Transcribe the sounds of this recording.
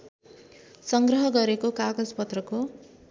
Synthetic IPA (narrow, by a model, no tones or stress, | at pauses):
sʌŋɡrʌɦʌɡʌɾekokaɡʌd͡zpʌt̪rʌko